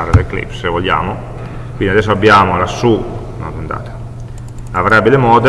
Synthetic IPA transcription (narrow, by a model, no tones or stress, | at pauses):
ɾed̪eklḭpsevoʎːa̰ːmo | kwind̪iad̪ɛsːoabːjaːmolasuː | nɔ̰d̪unt̪a̰ːt̪ḁ | avɾɛbːilemɔːd̪e